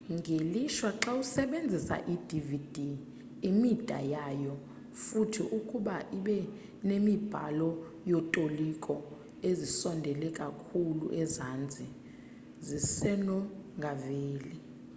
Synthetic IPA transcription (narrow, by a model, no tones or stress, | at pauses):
ŋʱeliʃwaǁausɛɓend͡zʱisa̰ʔidʱivid̥ʱi | imitʼa̰jajɔ | futʰḭʔukʼuɓaʔiɓɛ | nemib̥ʱa̰lɔ | jɔtʼolikʼɔ | ezisɔndʱɛlɛkʼakʰulṵʔɛzand͡zʱi | zisɛnɔŋɡʱaveːli